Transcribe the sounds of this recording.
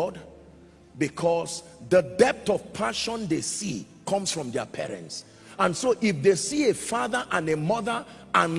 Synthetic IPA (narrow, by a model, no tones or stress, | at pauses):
ɔd | bikʰɔs | ðədɛp̚tɔv̥pʰaʃɔ̃ndesḭ | kʰɔ̃msfɹɔ̃mdə̰pʰɛ̰ɹɛ̰̃nts | ãnsoʔifðesiefaðəʔãnemʌðə | ãn